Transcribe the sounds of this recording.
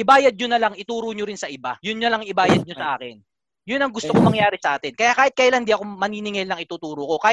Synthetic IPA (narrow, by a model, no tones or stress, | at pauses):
ʔɪbaːjɐd̪̚ɲonɐlaŋɪt̪uːɾoɲoɾɪnsɐʔɪbajʊnɲlɐŋɪbaːjɐd̪̚ɲosɐʔa̰ːkɛn | jʊnɐŋɡʊst̪okomɐŋjaːɾɪsɐʔaːt̪ɪnkɐjakaːhɪt̪̚kajland̪iʔɐko̞mɐniːnɪŋɛlnɐŋɪt̪uːt̪uːɾoko̞kaː